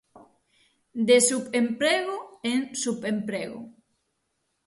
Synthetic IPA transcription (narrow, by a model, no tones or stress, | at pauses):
d̪esupempɾɛɣoensupempɾɛɣo̰